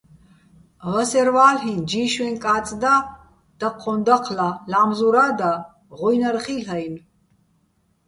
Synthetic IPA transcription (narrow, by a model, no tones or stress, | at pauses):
ʁɐsɛɾvaːlɦind͡ʒiːʃwɛnkʼaːt͡sʼd̪a | d̪̥ɐqʰːɔnd̪aqʰlalamzuɾad̪a | ʁujnaɾχiɬajn